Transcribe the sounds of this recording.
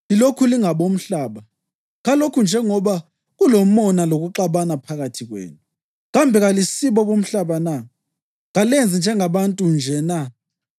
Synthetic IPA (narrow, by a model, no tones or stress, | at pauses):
ilokʰuliŋaβom̩ɬaːβa | ɣalokʰund͡ʒʱɛŋɔβa | ɣulom̩ɔnaloɣuǃaβanapʰaɣatʰiɣwḛːnu | ɣambʱɛɣalisiβɔβom̩ɬaβana | ɣalend͡zʱind͡ʒʱɛŋaβantʼund͡ʒʱɛna